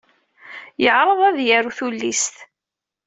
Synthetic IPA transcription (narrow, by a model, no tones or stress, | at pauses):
jəʕɾˤəðˤæðjæɾuθulːist̪